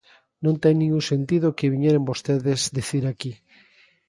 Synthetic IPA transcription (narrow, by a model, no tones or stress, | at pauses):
nõnt̪ejnĩŋũsent̪iðokeβiɲeɾembost̪eðezd̪iθiɾaki